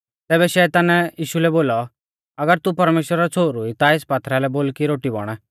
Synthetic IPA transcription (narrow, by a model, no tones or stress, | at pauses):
t̪ɛːβɛʃɛːt̪aːnjiːʃulɛboːlɔ | ɐɡəɾt̪upɐɾmeːʃwɾaɔt͡sʰoːɾuit̪aeːspaːt̪ʰɾalɛboːlkiɾoːʈibɔ̰ɽ̃ɛ